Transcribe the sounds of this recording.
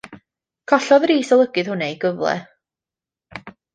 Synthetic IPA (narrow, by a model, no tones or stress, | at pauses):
kʰɔɬɔðriːsɔlˠəɡɨð̥hʊnɛjɡəvlˠɛ̰